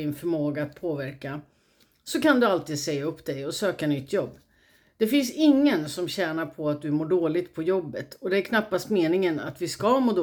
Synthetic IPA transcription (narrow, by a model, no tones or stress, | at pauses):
ɪnfœɾmoːɡaːt̪̚pʰoːvæɾka | sɔkand̪ɵalt̪iːd̪sɛjːaɵpːd̪ɛjɔsøːkanʏt̪ʰːjɔbː | d̪̥ɛfɪnsɪŋːənsɔmɕɛːnaɾpʰɔat̪̚d̪ɵmuːɖoːlɪt̪pʰɔjɔbːət̪ʰɔd̪ɛæɾkʰnapːast̪meːnɪŋəna̰t̪vɪskamoːd̪